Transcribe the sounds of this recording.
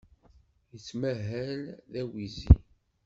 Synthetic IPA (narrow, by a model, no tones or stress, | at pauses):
jət͡sːmæɦælðæwizḭ